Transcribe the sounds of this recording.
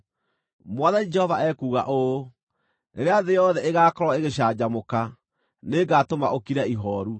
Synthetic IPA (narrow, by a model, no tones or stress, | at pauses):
mwaðanid͡ʒɛhɔvaʔɛkuːɣa̰ʔo | neɾeaðejɔðɛʔeɣaːkɔɾwaeɣeɕaːd͡ʑamoka | neɡatomaʔokiɾaiɦɔːɾu